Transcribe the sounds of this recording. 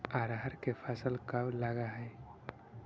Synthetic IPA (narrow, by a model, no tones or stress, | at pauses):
aɾɦəɾkepʰasəlkablaɡaɦɛj